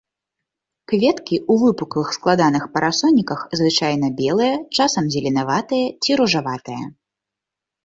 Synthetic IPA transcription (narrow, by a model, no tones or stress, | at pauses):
kvʲɛt̪kʲiʔuvɨpukɐvɨxsklˠad̪anɨxpɐɾʔasɔnʲːikɐxzvɨt͡ʂajn̪ɐbʲɛlˠɐjɐt͡ʂasɐmzʲɛlʲinavat̪ɨjɐt͡sʲiɾuʐavat̪ɨjɐ̰